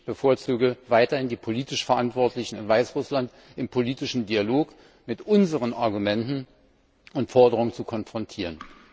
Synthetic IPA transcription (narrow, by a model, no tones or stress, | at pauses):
b̥əfoːɐt͡suːɡəvaɪtɐhɪndiːpʰoliːtɪʃfɛɐʔantv̥ɔɐtlɪçn̩ɪnvaɪsʁʊslant | ʔɪmpʰoliːtɪʃn̩dialoːk | mɪtʔʊnzəʁənʔaɐɡumɛntn̩ | ʔʊntfɔɐdəʁʊŋənt͡sukʰɔnfʁ̥ɔntʰiːʁ̞ən